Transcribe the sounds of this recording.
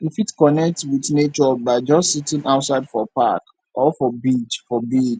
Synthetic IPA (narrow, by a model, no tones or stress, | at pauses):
ifitkɔnɛk̚twiθnet͡ʃɔbaɪd͡ʒɔstsitĩŋaʊtsaɪdfɔpa̰k | ʔɔfɔbit͡ʃfɔbid͡ʒ